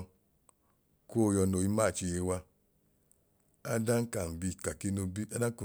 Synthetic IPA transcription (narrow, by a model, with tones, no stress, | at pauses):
ko˦˨jɔ˧no˨i˧˦ma˦˨t͡ʃi˧˨je˧wa˧ | a˦da˦ŋ˦ka˨m̩˨bi˧˨ka˨ki˦no˧bi˦a˦da˦ku˨